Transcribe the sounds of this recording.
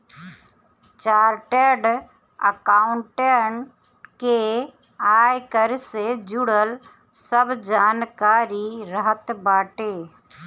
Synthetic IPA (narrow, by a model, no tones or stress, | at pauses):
t͡ʃaːɾʈeɖ | ə̰kaʊɳʈeɳ | ke | ajkəɾsed͡ʒuɽəl | səbd͡ʒaːnkaːɾiɾəɦət̪baːʈe